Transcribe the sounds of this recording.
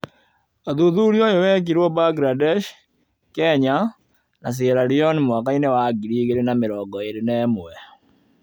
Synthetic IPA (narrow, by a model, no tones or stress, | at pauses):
aðuðuɾjɔjowɛk̬iɾwɔbaɡɾadɛʃ | kɛɲa | nas̬eɾaɾiɔnimwakainewaɡiɾiɣeɾenameɾɔɡɔeɾenɛːmwɛ